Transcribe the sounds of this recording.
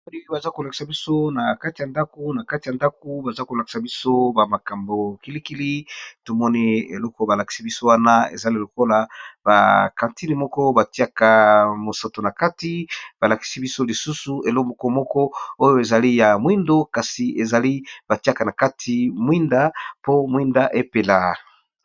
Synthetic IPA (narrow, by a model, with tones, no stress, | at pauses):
o˦i˦ki˦ba˨za˦ko˨la˨ki̥˨sa˨bi˦so˦na˨ka˦ti˨ja˨nda˦ko˨˦na˨ka˦ti˨a˨nda˦ko˨ba˨za˦ko˨la˨ki̥˨sa˨bi˦so˦ba˨ma˨ka˨mbo˨ki˦li˦ki˦li˦to˨mɔ˦ni˦ḛ˨lɔ˦kɔ˨˦ba˨la˨ki̥˨si˦bi˦so˦wa˦na˦ḛ˨za˦li˦˨lo˨ko˦la˨ba̰˨kã˨nti˦ni˨mɔ˦kɔ˦ba˨ti˦a˨ka˨mo˨sa˨to˨na˨ka˦ti˨˦b̥a˨la˨ki̥˨si˦bi˦so˦li˨su˦su˨e˨lo˦mbo˨ko˦mɔ˦kɔ˦o˦jo˦e˨za˨li˦ja˨mwi˦ndo˦ka˨si˨e˨za˨li˦b̥a˨ti˦a˨ka˨na˨ka˦tʰi˨mwi˦nda˦po˦mwi˦nda˦ʔe˦pe˨la˨